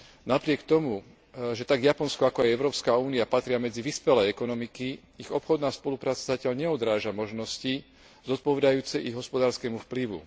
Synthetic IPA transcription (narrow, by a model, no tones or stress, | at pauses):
napɾɪɛkt̪ɔmu | ʒɛt̪aɡjapɔnskɔakɔajɛʊɾɔːpskaːuːniapat̪ɾɪamɛd͡ziʋispɛlɛjɛkɔnɔmiki | iɣɔpxɔd̪naːspɔlupɾaːt͡sazacɪaʎɲɛɔd̪ɾaːʒamɔʒnɔsci | zɔt̪̚pɔʋɛd̪ajuːt͡sɛʔiɣɦɔspɔd̪aːɾskɛːmufpliʋṵ